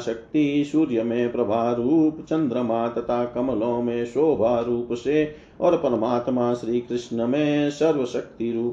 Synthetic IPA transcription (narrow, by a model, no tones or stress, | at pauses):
ʃɐk̚t̪isuːɾjɐmẽːpɾɐbʱaːɾuːpt͡ʃɐ̃nd̪ɾɐmaːt̪ɐt̪ʰaːkɐmɐlõːmẽːʃoːbʱaːɾuːpseː | ɔːɾpɐɾɐmaːt̪maːʃɾiːkɾɪʂɳɐmẽːsɐɾʋɐʃɐk̚t̪iɾuːp